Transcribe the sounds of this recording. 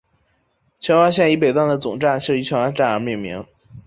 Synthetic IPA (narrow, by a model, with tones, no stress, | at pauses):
t͡ɕʰɥɛ˧˥nxwa˥ɕjɛ˥˩ni˧˥p̬e˨˩ɪt̪wa˥˩nd̪ə˩t͡sʊ˨˩ŋʈ͡ʂa˥˧nɕʰjo˥˩i˧˥t͡ɕʰɥɛ˧˥a˥nʈ͡ʂa˥˩ə˧˥mi˥˩mḭ˧˥ŋ